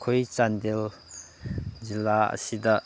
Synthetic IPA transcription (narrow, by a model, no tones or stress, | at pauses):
kʰojt͡sand̪ɛl | zilːaə̰sid̪aʔ